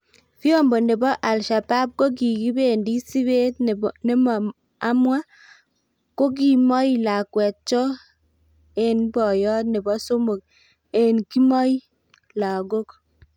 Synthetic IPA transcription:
fi˦o˦˨mbo˨ne˨bɔ˦ʔa˨lʃa˨ba˦p̚ko˦k̬i˨ɡi˦be˦˨ndi˦si˦be˦tne˦m | a˦mwa˦ | ko˦k̬i˨mɔ˦ji˦la˨kwɛ˨t̚t͡ʃɔ˦ | e˨nbɔ˨jɔ˦tne˨bɔ˦so˦mo˨k̚ | e˨nki˦mɔ˦j | la˨ɡo˦k

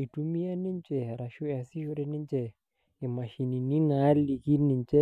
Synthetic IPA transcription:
i˨tu˦mi˦a˦ni˦n˦t͡ʃɛ˨ɾa˨ʃu˦a˨si˦ʃɔ˦ɾɛ˦ni˦n˦t͡ʃɛ˨ | i˨ma˨ʃi˨ni˨ni˦na˨˦li˨ki˦ni˨n˦t͡ʃɛ˦

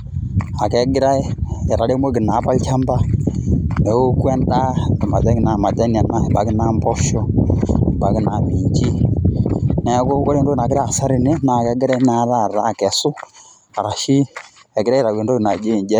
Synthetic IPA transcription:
a˨kɛ˨˦ɡi˦ɾa˦ɛ˨ɾa˨lɛ˦mwɛ˦k̬i˨na˨˦pa˦lt͡ʃa˦mba˦ | nɛ˨u˦ku˦ɛ˦nda˦ɛ˨ma̰˨d͡ʒa˦ki˨na˨ma˨da˦ni˨a˨na˦˨ba˨ki˦na˨˦mbɔ˦ʃɔ˦˨ba˨ki˦na˨mi˨ɲd͡ʒi˦ | nɛ˨˦kɔ˦ɔ˦ɛ˦n˦dɔ˦i˨na˨ɡi˦ɾa˦a˨sa˦ɾi˨ni˦na˨kɛ˨˦ɡi˦ɾɛ˦na˨˦ɾa˦˨ɾa˨˦˨kɛ˨su˦ | a˨ɾa˨ʃi˦ | ɛ˨ɡi˦ɾa˦i˨ɾa˨wɛ˨n˦dɔ˦ki˨na˨d͡ʒi˦˨d͡ʒɛ˦

